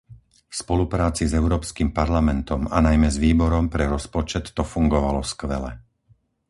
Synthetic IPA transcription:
fspɔlupɾaːt͡sizɛʊɾɔːpskimpaɾlamɛnt̪ɔmanajmɛzʋiːbɔɾɔmpɾɛɾɔspɔt͡ʃɛt̪ːɔfuŋɡɔʋalɔskʋɛlɛ̰

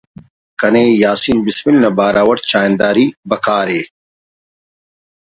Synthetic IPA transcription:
kɐneːjaːsimbismilnɐbaːɾaːwɐɾt͡ɕaːjnd̪aːɾibɐkaːɾeː

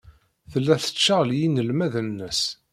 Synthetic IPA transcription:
θəlːæθə̥t͡ʃːəʁljinəlmæðənːəs

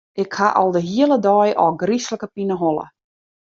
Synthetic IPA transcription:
ʔɪkhaʔɔ̰lˠdəɦiələdɔjʔɔ̰ɡrisləkəpinəɦolə̰

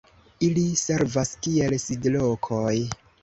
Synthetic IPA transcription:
ilise̞ɾvaskielsidlokʰoj

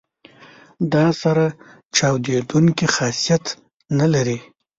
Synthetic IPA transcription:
d̪ɑsaɾa | t͡ʃɑwd̪ed̪uŋkixɑsijat̪ | nalaɾi

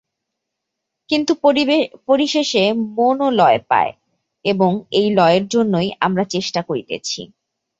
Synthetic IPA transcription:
kint̪upoɾiʃeʃemonolɔepa̰e | eboŋejlɔeeɾd͡ʑonːojamɾat͡ɕeʃʈakoɾit̪ḛt͡ɕʰḭ

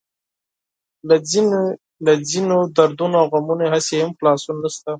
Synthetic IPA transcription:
l | lad͡zinod̪aɾd̪unoawɣamuneɦasehamxlɑsunanaʃt̪a

